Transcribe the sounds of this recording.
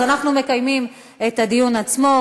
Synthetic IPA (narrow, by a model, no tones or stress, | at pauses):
anaχnume̞kajmim | etadijunat͡smo̞